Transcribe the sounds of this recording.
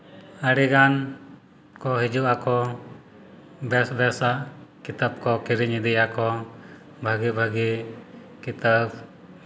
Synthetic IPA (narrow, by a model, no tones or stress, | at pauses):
əɽiɡan | kɔɦid͡ʒuʔakɔ | bɛsbɛsaʔkit̪əb̚kɔkiɾiɲid̪ɛjakɔ | bʱəɡibʱəɡi | kit̪əb̚